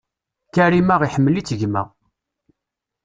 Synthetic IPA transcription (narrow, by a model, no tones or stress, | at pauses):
kæɾimaʁiħəmːəlit͡sːəʝmæ̰